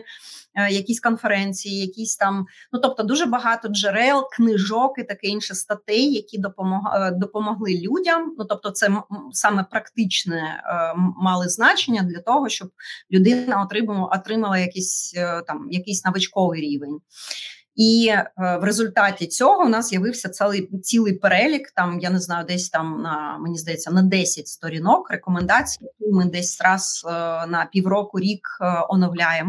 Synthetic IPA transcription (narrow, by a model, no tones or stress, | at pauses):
jɐkʲisʲkɔnfeɾɛnʲt͡sʲijijɐkʲisʲt̪ɑmnut̪ɔp̚t̪ɔd̪uʒɛbɐɦɑt̪ɔd͡ʒeɾɛlˠknɪʒɔkɪt̪ɐkɛinʃɛst̪ɐt̪ɛjːɐkʲid̪ɔpɔmɔɦd̪ɔpɔmɔɦlˠɪlʲudʲɐmnut̪ɔp̚t̪ɔt̪sɛsɑmɛpɾɐkt̪ɪt͡ʃnɛ | mɑlˠɪznɑt͡ʃenʲːɐd̪lʲɐt̪ɔɦɔʃt͡ʃɔblʲʊd̪ɪnɐɔt̪ɾɪmɔt̪ɾɪmɐlˠɐjɐkisʲt̪ɑmjɐkisʲnɐʋɪt͡ʃkɔʋɪjɾʲiʋenʲ | iʋɾezʊlʲt̪ɑtʲit͡sʲɔɦɔwnɑzzʲjɐʋɪwsʲɐt̪sɛlˠɪjt͡sʲilˠɨjpeɾɛlʲikt̪ɑmjaneznɑjʊd̪ɛsʲt̪ɑmnɐmenʲizd̪ɐjɛt͡sʲːɐnɐd̪ɛsʲɐt̚ʲst̪ɔɾʲinɔkrekɔmend̪ɑt͡sʲijjɐkujmɪd̪ɛsʲɾɑz̥nɐpʲiwɾɔkʊɾʲikɔnɔwlʲajemɔ